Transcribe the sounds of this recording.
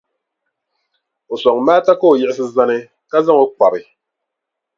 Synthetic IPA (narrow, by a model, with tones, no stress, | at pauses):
o˨sɔ˨ŋmaː˦ta˦ko˦˨jɛ˦˨ɪ˦s̬ɨ˦za˦nɨ˦ | ka˦za˦ŋo˦k͡pa˨bɨ˨